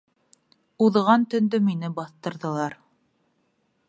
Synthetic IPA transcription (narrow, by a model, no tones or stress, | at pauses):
uðʁɑnt̪ɵ̆nd̪ɵminɘbɑθt̪ɤ̆ɾðɤ̆lˠɑɾ